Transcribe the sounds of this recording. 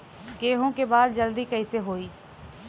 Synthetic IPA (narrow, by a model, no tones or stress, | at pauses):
ɡeːɦõkebaːd̪d͡ʒəld̪iːkəiseɦoːiː